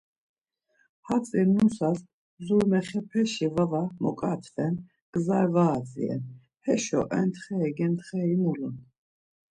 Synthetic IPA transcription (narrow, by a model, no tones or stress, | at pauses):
hat͡sʼinusas | zuɾmɛχɛpʰɛʃivavamɔ̰kʼat̪ʰvɛn | ɡ̥zaɾvaːt͡sʼḭɛ̰n | hɛʃɔ̰ʔɛnt̪ʰχɛːɡɛnt̪χɛimulun